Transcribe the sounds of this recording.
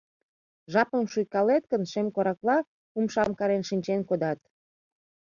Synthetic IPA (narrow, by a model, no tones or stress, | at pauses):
ʒɑpəmʃujkɑlet̪̚kənʃemkoɾɑklɑ | umʃɑmkɑɾenʃinʲt͡ɕenkod̪ɑt̪